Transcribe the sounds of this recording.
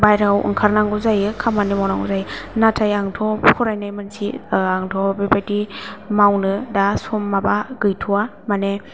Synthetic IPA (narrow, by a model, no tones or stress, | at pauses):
bajɾawʔɯ̰ŋkʰaɾnaŋɡuzajɯkʰamanimawnaŋṵzajnatʰajaŋtʰɔpʰɔɾajnajmansiaŋtʰɔbebadimawnɯdasɔmːabaɡɯjtʰuwa | mane